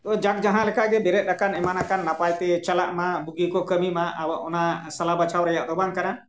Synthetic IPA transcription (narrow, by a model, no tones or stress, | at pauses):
t̪ɔd͡ʒak̚d͡ʒaɦãlɛkʰaʔɡɛbɛɾɛt̪̚ˀɾakanɛmanakanːapajt̪ɛt͡ʃala̰ʔmabuɡikɔkəmimaʔawʔɔnasalabat͡ʃʰawɾajaʔd̪ɔbaŋkana